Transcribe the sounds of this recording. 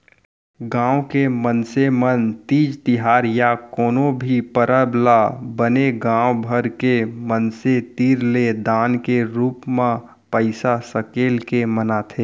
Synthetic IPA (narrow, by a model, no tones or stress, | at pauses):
ɡãːwkemənsemənt̪iːd͡ʒt̪ɪɦaːɾjakoːnobʱipəɾəblabəneɡãːwbʱəɾkemənset̪iːɾled̪aːnkeɾuːpmã | pəɪsasəkeːlkemənat̪ʰeː